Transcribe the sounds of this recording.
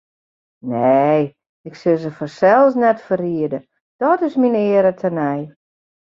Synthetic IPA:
ne | ɪksɪlˠzəfɔsɛlˠsnɛtfəriədə | d̥ɔtɪsminɪəɾətʰənɛj

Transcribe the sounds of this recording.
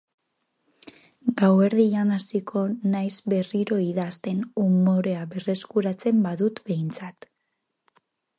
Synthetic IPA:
ɡawe̞ɾðianasikʰo̞najzβe̞riɾo̞iðast̪e̞numo̞ɾe̞aβe̞re̞skuɾat͡se̞mbaðut̪be̞jnt͡sat̪

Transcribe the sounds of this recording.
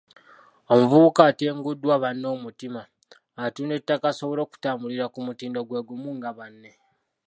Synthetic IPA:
o̞muvuβukaːte̞ːŋɡudːwaβanːo̞ːmutimaː | tuːne̞tːakaso̞βoɾo̞ːku̥taːmuliɾakumutiːndoɡweɡumuːŋɡaβanːe̞

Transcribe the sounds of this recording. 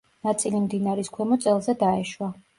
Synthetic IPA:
nat̪sʼilimd̪inaɾiskʰwɛmɔt̪sʼɛlˠzɛd̪aɛʃwa

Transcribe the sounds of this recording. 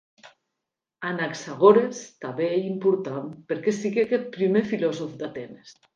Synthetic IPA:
anaksaɣoɾest̪aβeeimpuɾt̪anpeɾkesiɣeakɛt̪̚pɾimefilɔzofd̪at̪enes

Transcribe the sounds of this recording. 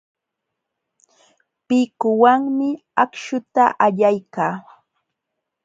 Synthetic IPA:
pɪkʊwaŋmɪ | akʃʊt̪aʔaʎajkaː

